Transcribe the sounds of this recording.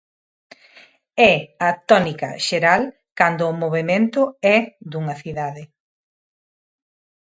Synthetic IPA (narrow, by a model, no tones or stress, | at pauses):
ɛɐt̪ɔnikɐ̰ʃeɾal | kand̪ʊːmoβemẽnt̪ʊɛd̪uŋɐθiðaðɪ